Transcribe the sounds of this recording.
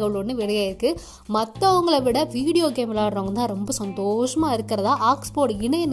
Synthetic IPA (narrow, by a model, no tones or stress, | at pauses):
ɣɐɭɔnːɯʋɪɽɐjaːɪɾɯkːɯ | mɐt̪ːɐ̃ɐʋɐŋɡɐɭɐʋɪɽɐʋiːɽɪjoːkeːmɪlaːɾɾoːŋɡɐt̪ãːɾɔmbɐsɐnd̪oːʂɐmaːɪɾɯkːɐɾɐðãːʔaːkspoːʈɪɳɐɪn